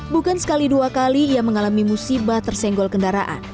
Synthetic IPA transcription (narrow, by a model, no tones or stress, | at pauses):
bukansə̥kaliduakaliːaməŋalamimusibaht̪ərsɛŋɡɔlkəndaɾaʔa̰n